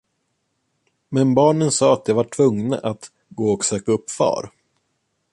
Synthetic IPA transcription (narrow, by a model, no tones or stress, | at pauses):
mɛnbɑːɳənsɑːat̪javaʈʰvɵŋna̰ʔat̪ | ɡoːɔksøːkaɵpːfɑ̰ːɾ